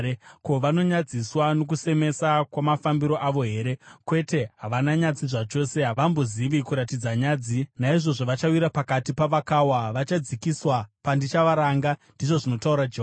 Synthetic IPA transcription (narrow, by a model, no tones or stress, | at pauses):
ko̞ʋano̞ɲad͡ziswano̞k̬use̞me̞sakwamafambiɾo̞ʔaʋo̞ɦe̞ɾe̞kwe̞te̞ɦaʋanaɲad͡ziʐat͡ʃo̞ːse̞aʋamboziʋikuɾatid͡zaɲad͡zinaiʐo̞ʐoʋat͡ʃawiɾapakatipaʋakawaʋat͡ʃad͡zikiswapandit͡ʃaʋaɾaŋɡandiʐo̞ʐino̞tauɾad͡ʒeɦ